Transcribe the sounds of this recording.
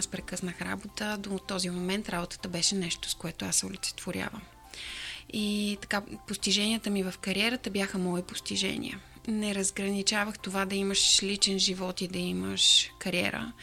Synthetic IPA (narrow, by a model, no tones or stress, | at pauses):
aspɾɛkɤsnəxɾa̰bot̪əd̪ot̪ːɔzimomɛnt̪ɾabot̪ə̥t̪əbɛʃɛnɛʃt̪o̥skoɛt̪oasɛʊlit̪sɛ̥t̪voɾʲja̰və̰m | it̪ɐ̥kapost̪iʒɛniət̪əmivəfkɐɾʲiɛɾət̪əbjaxəmɔipo̥st̪iʒɛ̰nʲḭə̰ | nɛɾəzɡɾənit͡ʃavəxt̪ovad̪ɐiməʃlit͡ʃɛnʒivɔt̪id̪ɐiməʃkɐɾiɛ̰ɾə̰